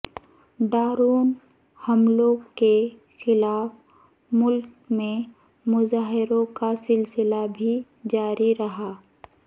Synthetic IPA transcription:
ɖaːɾuːn | hɐmlõke | xɪlaːf | mʊlk | mẽ | mʊzaːɦɪɾõkasɪlsɪlabʱi | d͡ʒaːɾiɾɐɦaː

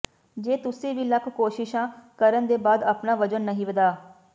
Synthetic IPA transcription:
d͡ʒeːt̪ʊsĩːʋiːləkʰkoːʃɪʃãːkəɾənd̪eːbaːd̪aːpnaːʋəd͡ʒənːəɦĩːʋəd̪aː

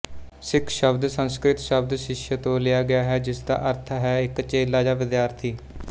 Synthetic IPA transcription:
sɪkʰʃəbd̪sənskɾɪt̪ʃəb̚d̪ʃɪʃjət̪õːlɪjaːɡɪjaːɦɛːd͡ʒɪsd̪a̰ːʔəɾt̪ʰɦɛːɪkt͡ʃeːlaːd͡ʒaːʋɪd̪jaːɾt̪ʰiː

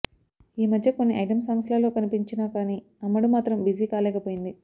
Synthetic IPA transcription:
iːmɐd̪ʱjɐko̞nːiʔɐjʈɐms̬ɐmɐslaːlo̞ːkɐnipiɲt͡ʃinaːkaːniː | ɐmːɐɽumaːt̪ɾɐmbiziːkaːlɛːkɐpoːjind̪i

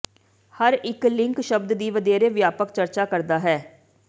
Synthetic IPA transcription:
həɾɪklɪ̃ŋkʃəbd̪d̪iːʋəd̪eːɾeːʋjaːpəkt͡ʃəɾt͡ʃaːkəɾd̪aːɦɛː

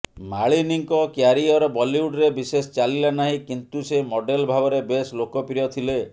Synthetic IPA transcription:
maɭiniŋkɔkjaɾiɔɾɔbɔliuɖɾebisest͡ʃalilanaɦĩkint̪usemɔɖelbʱabɔɾebeslokɔpɾijɔt̪ʰile

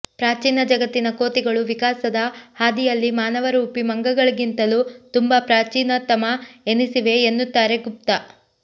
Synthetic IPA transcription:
pɾaːt͡ʃiːnɐd͡ʒɐɡɐt̪ːinɐko̞ːt̪iɡɐɭuʋikaːsɐd̪ɐhaːd̪ijɐlːimaːnɐʋɐɾuːpimɐŋɡɐɡɐɭiɡint̪ɐlut̪umbɐpɾaːt͡ʃiːnɐt̪ɐmɐenisiʋe̞ːnːut̪ːaːɾe̞ɡup̚t̪a

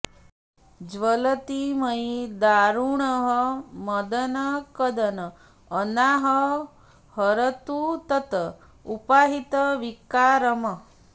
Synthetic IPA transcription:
d͡ʒʋələt̪iməid̪aɾuɳəɦəməd̪ənəkəd̪ənəː | naɦə | həɾət̪ut̪ət̪ə | upaɦit̪əʋikːaɾəmə

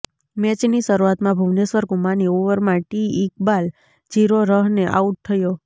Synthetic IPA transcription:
mɛt͡ʃniʃəɾuat̪mãbʱuʋnesʋəɾkumaniuʋəɾmãʈiikbal | d͡ʒiɾoɾəɦneʔa̰uʈ̚t̪ʰːəjo

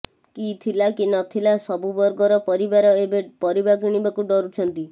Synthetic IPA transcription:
kit̪ʰilakinɔt̪ʰilasɔbubɔɾɡɔɾɔpɔɾibaɾɔebepɔɾibakiɽ̃ibakuɖɔɾut͡ʃʰɔnt̪i

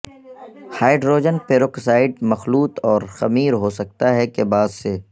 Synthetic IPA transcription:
haːɪɖɾoːd͡ʒənpeːɾoksaːɪɖ̚mɐxluːt̪ɔːɾxɐmiːɾɦosɐk̚t̪aɦɛkebaːd̪se

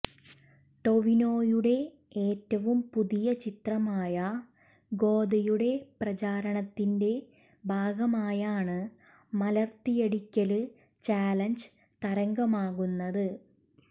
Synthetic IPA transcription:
ʈo̞ʋino̞ːjuɽe̞ | eːtːɐʋumpuðijɐt͡ɕit̪rɐmaːjɐ | ɡo̞ːd̪ɐjuɽe̞prɐt͡ɕaːɾɐɳɐt̪ːinde̞ | bʱaːɡɐmaːjaːɳɨ | mɐlɐrt̪ijeɽikʲːɐlɨ | t͡ɕaːlɐnd͡ʑ | t̪ɐɾɐŋɡɐmaːɣunːɐðɨ

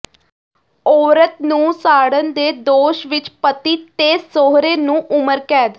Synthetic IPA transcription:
ɔːɾət̪nũːsaːɽənd̪eːd̪oːʃʋɪt͡ʃpət̪iːt̪eːsoːɦɾeːnũːʔʊməɾkɛːd̪

